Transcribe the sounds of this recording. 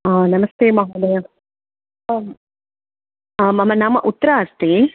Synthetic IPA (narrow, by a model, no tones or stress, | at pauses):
aːnɐmɐst̪eːmɐɦɐːd̪ɐjɐ | aːmɐmɐnamɐʔut̪ːɐɾaɐst̪eː